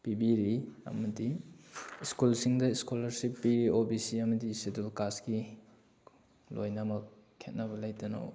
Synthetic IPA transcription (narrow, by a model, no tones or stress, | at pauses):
pibiɾiɐ̰mɐdi | skulsiŋdɐiskolɐɾsipːiɾiobisiɐmɐdisedulkaski | lojnamɐk̚ | kʰːet̚nɐbɐlajtɐno̰w